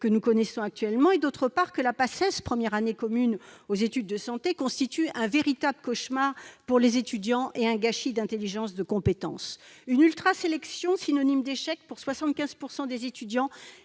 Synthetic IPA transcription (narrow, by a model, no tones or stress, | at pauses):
kənukɔnɛsɔ̃ak̚t̪ɥɛlmɑ̃ed̪ot̪χəpaʁkəlapasɛspχəmjɛʁanekɔmynozet̪yd̪ːəsɑ̃t̪ekɔ̃st̪it̪yʔɛ̃veʁit̪abləkɔʃmaʁpuʁlezet̪yd̪jɑ̃ʔeɛ̃ɡaʃid̪ɛ̃t̪eliʒɑ̃sd̪əkɔ̃pet̪ɑ̰̃synylt̪χaselɛksjɔ̃sinɔnimd̪eʃɛk̚puʁswasɑ̃t̪̚kʲɛ̃z̥puʁsɑ̃d̪ezet̪yd̪jɑ̃